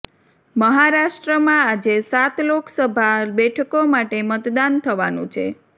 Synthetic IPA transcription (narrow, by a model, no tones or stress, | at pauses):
məɦaɾaʃʈɾəmãad͡ʒesat̪loksəbʱabɛʈʰəkomaʈemət̪d̪ant̪ʰəʋanṵ̃t͡ʃʰḛ